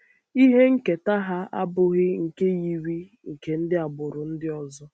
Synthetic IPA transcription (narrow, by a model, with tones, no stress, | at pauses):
i˦ɦe˦ŋ̩˦ke˨ta˦ɦa˦a̰˦bʊ˦ɣɪ˦ŋ̩˨ke˦ji˨ɾi˦ | ŋ̩˨ke˨n̩˦dɪ˦a˨bʊ˨ɾʊ˨n̩˦dɪ˦ɔ˨zɔ˦